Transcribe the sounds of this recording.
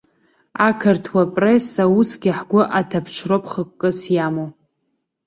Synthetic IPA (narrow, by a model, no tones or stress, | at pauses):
akʰɨrtʰwapʼresawusɡʲɪħɡʷʊʔatʰapʰt͡ʃʷʰropʰχəkʷʼːɨsjamo